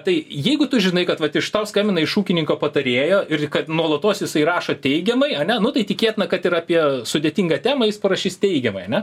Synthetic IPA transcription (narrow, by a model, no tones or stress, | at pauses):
t̪ɐɪjɛɪɡʊt̪ʊʒʲɪnɐɪkɐt̪ʋɐt̪ɪʃt̪ɐʊskɐːmʲɪnɐɪʃuːkʲɪnʲɪŋkoːpɐt̪ɐɾʲeːjoːʔɪrkɐt̪nuɔlˠɐt̪oːsjɪsɐɪrɑːʃoːt̪ʲɛɪɡʲɛmɐɪɐnʲɛnʊt̪ɐɪt̪ʲɪkʲeːtʲɪnɐkɐt̪ɪɾɑːpʲiɛsʊd̪ʲeːt̪ʲiŋɡɐt̪ʲæːmɐjɪspɐɾɐʃʲiːst̪ʲɛɪɡʲɛmɐɪɐnʲɛ